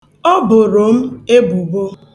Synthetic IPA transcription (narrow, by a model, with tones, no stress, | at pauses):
ɔ˦bʊ˨ɾo˨m̩˦e˦bu˨ɡ͡bo˦